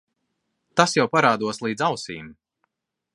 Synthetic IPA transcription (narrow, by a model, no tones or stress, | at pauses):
t̪asjawpaɾaːd̪uɔslˠiːd̪zawsiːm